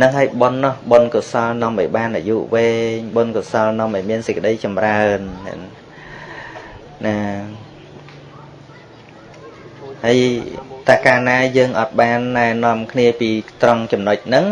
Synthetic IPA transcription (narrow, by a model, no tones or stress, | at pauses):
nɨŋɦəəjɓonːohɓonkosɑlnŏəmʔɑ̰jɓaːnʔa̰juːʔʋeːɲɓonkosɑlnŏəmʔɑjmiənsəc̚kə̆ɗəjt͡ɕɑmraənɛ̰n | na | həəjt̪aɛkaːnaːjəːŋʔɑt̪̚ɓaːnːaɛnŏəmkʰniəpiːt̪roŋt͡ɕɑmnoc̚nɨŋ